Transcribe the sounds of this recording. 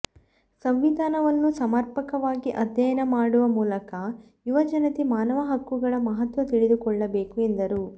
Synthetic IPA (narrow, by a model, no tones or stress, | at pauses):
sɐmʋid̪ʱaːnɐʋɐnːusɐmɐɾpɐkɐʋaːɡiʔɐd̪jɐjɐnɐmaːɽuʋɐmuːlɐkɐ | juʋɐd͡ʒɐnɐt̪imaːnɐʋɐɦɐkːuɡɐɭɐmɐɦɐt̪ʋɐt̪iɭid̪ukɔɭːɐbeːkuend̪ɐɾu